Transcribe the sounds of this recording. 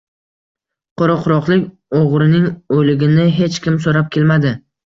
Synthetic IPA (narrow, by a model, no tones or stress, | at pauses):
qʰoɾɒqʰʊɾɒqlˠɪkʲ | oʁɾɪnɪŋolɪɡʲɪnɪɦe̞t͡ʃkʲɪmsoɾap̚kʲe̞lmad̪ɪ